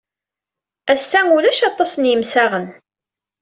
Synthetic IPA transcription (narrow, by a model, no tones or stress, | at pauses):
æsːæŋulæʃɑt̪ˤːɑsənjəmsæʁən